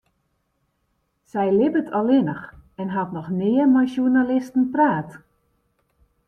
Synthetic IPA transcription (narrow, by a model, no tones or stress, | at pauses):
sɛjlɪbətʰɔlɪnəxɛnɦatnɔxnɪːərmajʃjunalɪstən̩praːt